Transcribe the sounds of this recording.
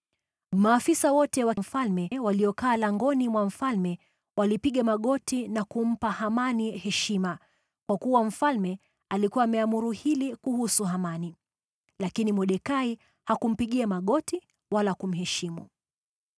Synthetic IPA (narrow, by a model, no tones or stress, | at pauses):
maːfisawɔtɛwam̩falmɛwaliɔkaːlaŋɡɔnimwam̩falmɛ | walipiɠamaɠɔtinakum̩pahamanihɛʃima | kwakuwam̩falmɛ | alikuwaːmɛamuɾuhilikuhusuɦamani | lakinimɔɗɛkai | hakum̩piɠiamaɠɔti | walakum̩ɦɛʃimṵ